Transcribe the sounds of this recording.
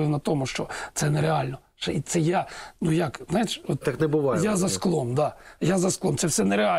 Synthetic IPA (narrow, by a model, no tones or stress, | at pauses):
ɪwnɐt̪ɔmʊʃt͡ʃɔt̪sɛnɛɾealʲnɔ | t͡ʃɛit̪sɛjanujakznajɪʃɔt̪t̪aknɛbʊʋɑjjazɐsklˠɔmd̪ajazɐsklˠɔmt̪sɛwsɛnɛɾea